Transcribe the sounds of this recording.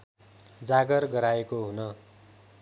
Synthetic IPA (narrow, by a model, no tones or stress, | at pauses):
d͡zaɡʌrɡʌɾaekoɦunʌ